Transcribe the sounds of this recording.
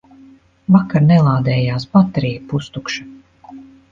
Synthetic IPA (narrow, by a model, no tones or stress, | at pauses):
vakaɾnɛlˠaːd̪ɛːjaːspat̪ɾiːɡpust̪ukʃḁ